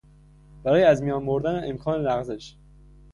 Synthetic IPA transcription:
b̥æɾɒːjeæzmijɒːnboɾd̪æneʔemkʰɒːnelæɣzeʃ

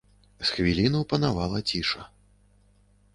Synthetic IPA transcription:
sxvʲilʲinɐwpɐnavalˠɐt͡sʲiʂɐ

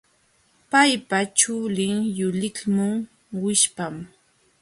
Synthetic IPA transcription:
pajpat͡ʃʊlɪŋjʊlɪkmʊŋ | wɪʃpam

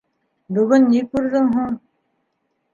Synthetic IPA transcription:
bɵ̆ɣɵnːikʉɾðɘŋɦuɴ

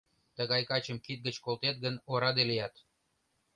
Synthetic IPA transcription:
t̪əɣɑjkɑt͡ɕə̆mkit̪̚ɡət͡ɕkolt̪et̪̚ɡənoɾɑd̪elijɑt̪

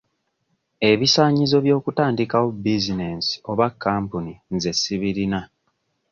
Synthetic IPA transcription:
e̞βisaːɲizo̞βjo̞ːkutaːndikawobizine̞si̥o̞βakːaːmpuninze̞sːiβiɾina

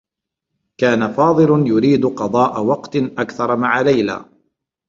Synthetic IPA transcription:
kaːnafɑːd̪ˤɨlʊjʊɾiːd̪qɑd̪ˤɑːʔawɑqt̪ʔakθɑɾˤmaʕalajla̰ː

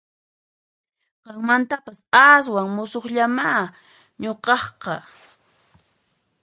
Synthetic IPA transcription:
qɑŋmant̪apasas̬waŋmʊsoχʎamaː | ɲoqɑχqɑ

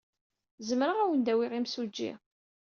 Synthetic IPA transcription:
zəmɾəʁæwənd̪æwiʁimsud͡ʒːḭ

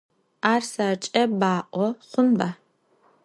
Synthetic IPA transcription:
aːrsat͡ʃʼɐbaːʔʷɔχʷʊnbaː

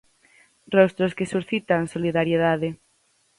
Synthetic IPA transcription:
rɔst̪ɾoskesuɾθit̪aŋsoliðaɾjeðaðe

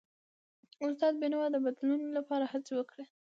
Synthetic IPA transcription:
ʊst̪ɑd̪̚benawɑd̪əbad̪lunolapɑɾahat͡sewəkɽe

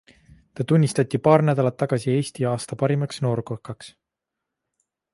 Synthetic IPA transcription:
t̪ɑt̪unʲːist̪ɑt̪ʲːipɑːrnæd̪ɑlɑt̪ːɑɡ̥ɑsie̞ːst̪iɑːst̪ɑpɑɾimɑksno̞ːɾkokːɑks

